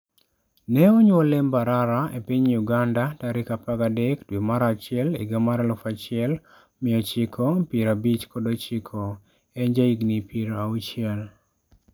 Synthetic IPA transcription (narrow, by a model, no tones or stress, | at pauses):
nɛɔɲɔlembaɾaɾaepiɲjuɡandataɾɪkapaɡadɛkdwimaɾat͡ʃɪɛlḛɡamaɾalɔfat͡ʃɪɛl | mɪɔt͡ʃɪkʰopiɾabit͡ʃkodot͡ʃɪkʰo | ɛɲd͡ʒaiɡnipiɾaut͡ʃɪɛl